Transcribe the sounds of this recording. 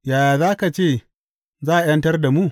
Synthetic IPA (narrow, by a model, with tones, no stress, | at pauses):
jaː˨jaː˨zaː˦ka˨t͡ʃeː˦˨ | zaː˦ʔa˨jɐ˦ntɐ˦rda˨mu˦